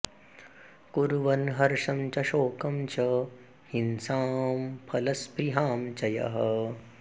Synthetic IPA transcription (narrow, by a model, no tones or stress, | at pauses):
kuɾʋɐnɦɐɾʂɐmt͡ʃɐʃoːkɐmt͡ʃɐ | hinsaːmpʰɐlɐspɾiɦaːmt͡ʃɐjɐ̰ɦɐ